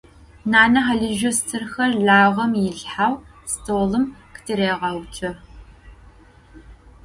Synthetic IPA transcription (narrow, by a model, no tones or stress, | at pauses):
naːnɐɦaɮɨʒɐstʰɨrxɐrɮaːʁɐmjɪɬħawstʰoːlɨmktʰɨɾeːʁɐwt͡ʃʰʼɐ